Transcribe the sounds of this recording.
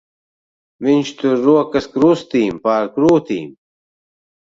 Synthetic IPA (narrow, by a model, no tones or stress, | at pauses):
minɕt̪uɾuɐkɐskɾuːst̪iːmpaːɾkɾuːt̪ḭːm